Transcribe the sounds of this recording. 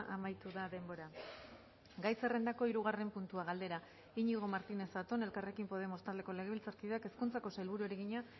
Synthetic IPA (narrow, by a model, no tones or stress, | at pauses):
ʔamajt̪uðaðe̞mbo̞ɾa | ɡajse̞re̞nd̪ako̞iɾuɣ̞are̞mpunt̪uaɣ̞ald̪e̞ɾa | iɲiɣ̞o̞maɾt̪ine̞sat̪o̞ne̞lkare̞kimpo̞ð̞e̞most̪ald̪e̞ko̞le̞ɣilt͡saɾkiðeake̞skunt͡sako̞sajlβuɾueɾeɣiɲa